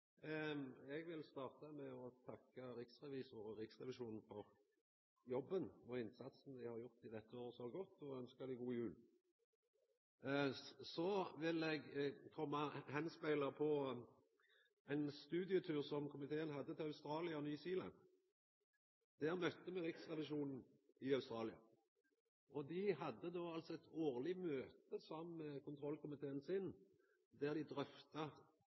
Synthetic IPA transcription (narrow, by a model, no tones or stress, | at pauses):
ɛɡʋɪlst̪ɑːʁt̪ɑmɛɔt̪ʰɑkːəɾɪksʁɛʋiːsʊɾɔʁɪksʁɛʋɪʃuːnn̩fɔʁ | jɔbːənɔɪnsɑt̪sn̩d̪ɪhɑʁjʊʁt̪ɪd̪ɛt̪ːəoːʁsɔɡɔt̪ːɔœnskəd̪ɪɡuːjʉːl | sɔʋɪlɛɡkʰɔmːɑhɛnspæɪlɑpʰɔ | æɪnst̪ʉːd̪ɪət̪ʰʉːʁsɔmkʰʊmɪt̪ʰeːənhɑd̪ːət̪ʰɪlɑʉst̪ɾɑːlɪɑɔnyːsiːlɑ̰n | d̪̥æʁmœt̪ːəmɛʁɪksʁɛʋɪʃuːnn̩ɪɑʉst̪ʁɑːlɪɑ̰ | ʔɔd̪ɪɦɑd̪ːəd̪oːɑlsɔɛt̪oːʁlɪmøːt̪əsɔmkʰʊnt̪ʰʁɔlkʊmɪt̪ʰeːənsɪn | d̪æʁd̪ɪd̪ʁœft̪ɑ